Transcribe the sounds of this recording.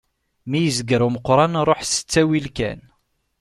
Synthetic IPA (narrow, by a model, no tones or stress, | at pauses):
mijəzəɡɾuməqːɾˤɑnɾˤoħsə̥t͡sːæwilkæ̰n